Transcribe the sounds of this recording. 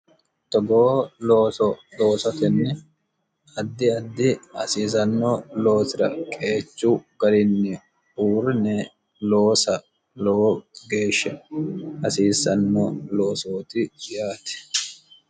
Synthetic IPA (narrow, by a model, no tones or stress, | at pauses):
t̪ɔɡoːloːsɔlo̞ːsɐt̪ɛnːɛ | ɐd̪ːɪɐd̪ːɪɐ̰siːs̬ɐnːɔlo̞ːsɪɾɐ̰kʼe̞ːt͡ʃːuɡ̥ɐlɪnːɛ | uːɾɪnɛ | lo̞ːsɐ | lɔwɔɡe̞ːʃːɛhɐsiːsːɐnːɔloːsoːt̪ɪjaːt̪ɛ̥